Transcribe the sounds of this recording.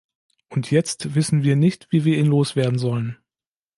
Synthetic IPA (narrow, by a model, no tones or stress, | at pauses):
ʔʊntʰjɛt͡stv̥ɪsn̩viːɐnɪçtv̥iːviːɐʔiːnloːsv̥eːɐdn̩zɔlən